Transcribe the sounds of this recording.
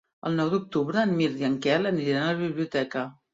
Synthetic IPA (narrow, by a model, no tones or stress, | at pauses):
ə̰lˠnɔwd̪uk̚t̪uβɾəːnmiɾd̪iəŋkɛləniɾiɾanələβiβliut̪ɛkə